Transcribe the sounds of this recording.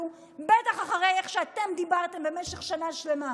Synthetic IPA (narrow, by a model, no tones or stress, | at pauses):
u | bet̪aχaχaʁejeχʃeat̪e̞md̪ibaʁt̪e̞mbe̞meʃeχʃanaʃle̞ma